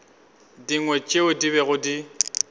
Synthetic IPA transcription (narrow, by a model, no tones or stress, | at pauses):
diŋwɛt͡ʃʼɪʊdiβɛɣʊdi